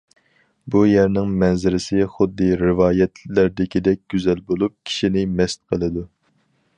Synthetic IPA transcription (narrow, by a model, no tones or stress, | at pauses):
bujɛɾnɪŋmɛnzɪɾɪsɪχʊd̪ːɨɾɪvɑːjɛt̪lɪɾd̪ɪkʲid̪ɛk̚ʲɡ̥ʲyzɛlbolˠup̚kʲʰi̥ʃinɪmɛst̪qʰəlˠɨd̪u